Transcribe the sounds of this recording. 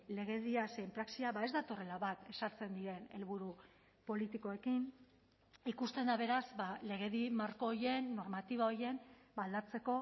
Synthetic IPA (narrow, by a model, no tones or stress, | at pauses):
le̞ɣe̞ðiasempɾaksiaβae̞zd̪at̪o̞re̞laβat̪e̞saɾt͡se̞nd̪iɾe̞ne̞̰lβuɾu | po̞lit̪iko̞e̞kin | ikust̪e̞nd̪aβ̞e̞ɾazbale̞ɣe̞ðimaɾko̞ːɾje̞nːo̞ɾmat̪iβao̞ɾje̞mbald̪at͡se̞ko̞